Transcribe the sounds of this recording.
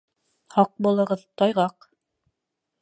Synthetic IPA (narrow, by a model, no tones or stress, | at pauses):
hɑq̚bulˠɤ̆ʁɤðt̪ɑjʁɑq